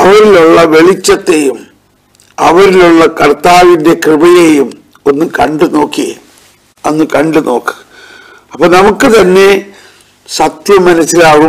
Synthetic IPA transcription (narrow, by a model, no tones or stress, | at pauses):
ɐʋɐɾiluɭːɐʋe̞ɭit͡ɕːɐt̪ːe̞jum | ɐʋɐɾiluɭːɐkɐrt̪aːʋinde̞krɨbɐjejum | o̞nːɨkɐ̰ɳɖɨno̞ːkːiɣḛ | ɐnːɨkɐɳɖɨno̞ːkːɨ̥ɣɐ | ɐpːɐːnɐmukːɨt̪ɐnːe̞ | sɐt̪jɐmːɐnɐsːilaːɣu